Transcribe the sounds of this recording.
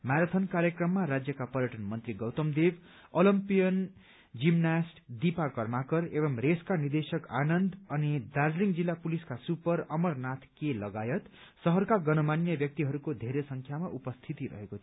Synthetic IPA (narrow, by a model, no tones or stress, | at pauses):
maɾʌt̪ʰʌnkaɾjʌkrʌmːaɾad͡zjʌkapʌɾjʌʈʌnmʌnt̪riɡʌwt̪ʌmd̪eb | olimpijʌn | d͡zimnasʈd̪ipakʌrmakʌrebʌmreskanird̪esʌkanʌnd̪ʌnid̪ad͡zliŋd͡zilːapuliskasupʌɾʌmʌrnat̪ʰkelʌɡajʌt̪ | sʌɦʌrkaɡʌnʌmanjʌbjʌk̚t̪iɦʌɾukod̪ʱeɾesʌŋkʰjamaʔupʌst̪ʰit̪iɾʌ̰ɦekot̪ʰ